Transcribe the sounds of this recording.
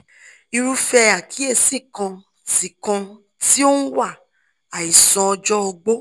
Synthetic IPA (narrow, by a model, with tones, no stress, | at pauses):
i˧ɾu˦fɛ˧a˨kʰi˨˦e˧si˦˨kã˧ | ti˨kã˧ | ti˦o˦n̩˦wa˦˨ | a˨i˨sɔ̃˧ɔ˧d͡ʒɔ˦ɔ˧ɡ͡bo˦